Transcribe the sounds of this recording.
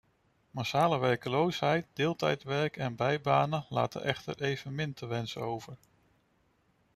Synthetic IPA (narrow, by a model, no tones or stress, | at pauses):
masaːləʋɛɹkəlowsɦɛjt̚dɪːlˠtɛjtʋɛɹkɛnbɛjbaːnəla̰ːtə̰ʔɛχtə̰ɹʔejv̥ənmɪntʰəʋɛnsəowvəɹ